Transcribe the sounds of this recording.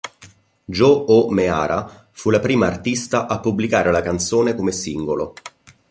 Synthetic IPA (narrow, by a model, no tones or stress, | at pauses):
d͡ʒoomea̰ːɾʔa | fulapɾiːmaːrt̪ist̪aʔapːublikaːɾelakant̪soːnekomesiŋɡolo